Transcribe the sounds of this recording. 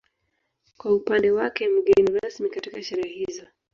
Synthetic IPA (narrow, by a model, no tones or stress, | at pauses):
kwaupandɛwakɛm̩ɡɛniɾasmikatikaʃɛɾɛaɦhizɔ